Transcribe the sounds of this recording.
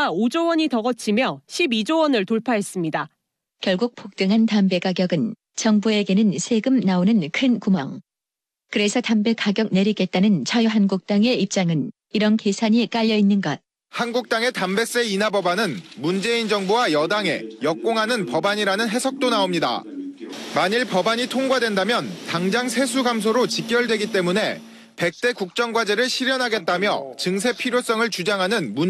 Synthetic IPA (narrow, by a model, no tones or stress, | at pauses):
aod͡ʑowʌɲitʌɡʌt͡ɕʰimjʌɕʰibid͡ʑowʌnɯɭtoɭpʰaɦe̞s͈ɯmɲida | kjʌɭɡuk̚pʰok̚t͈ɯŋɦantambe̞kaɡjʌɡɯn | t͡ɕʌŋbue̞ɡe̞nɯnsʰe̞ɡɯmnaonɯnkʰɯnkumaŋ | kɯɾe̞sʰʌtambe̞kaɡjʌk̚ne̞ɾiɡe̞t̚t͈anɯnt͡ɕʰajuɦanɡuk̚t͈aŋe̞ip̚t͡ɕ͈aŋɯn | iɾʌnke̞sʰaɲik͈aʎːʌinːɯnɡʌt̚ | hanɡuk̚t͈aŋe̞tambe̞s͈e̞inɦabʌbanɯnmund͡ʑe̞ind͡ʑʌŋbowajʌdaŋe̞̰jʌk͈oŋɦanɯnpʌbaɲiɾanɯnɦe̞sʰʌk̚t͈onaomɲida̰ | maɲiɭpʌbaɲitʰoŋɡwadwe̞ndamjʌntaŋd͡ʑaŋsʰe̞sʰuɡams̬ʰoɾot͡ɕik͈̚jʌɭdwe̞ɡit͈e̞mune̞ | pe̞k̚t͈e̞kuk̚t͡ɕ͈ʌŋɡwad͡ʑe̞ɾɯɭɕʰiɾjʌnɦaɡe̞t̚t͈amjʌ̰t͡ɕɯŋsʰe̞pʰiɾjos͈ʌŋɯɭt͡ɕud͡ʑaŋɦanɯnmu